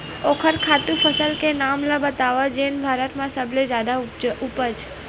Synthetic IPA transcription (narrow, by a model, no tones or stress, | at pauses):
okʰəɾkʰat̪ũfəsəlkenamlãbət̪aʋad͡ʒenbʱaɾət̪mãsəbled͡ʒad̪aupət͡ʃ